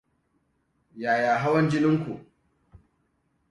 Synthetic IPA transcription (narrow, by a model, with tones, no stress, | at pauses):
jaː˨jaː˨ɦa˦wɐ˦nd͡ʒɪ˦nɪ˦ŋkʷṵ˨ʔ